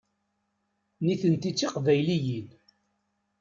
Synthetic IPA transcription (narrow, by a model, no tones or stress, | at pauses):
niθənt̪it͡sːiqvæjlijid̪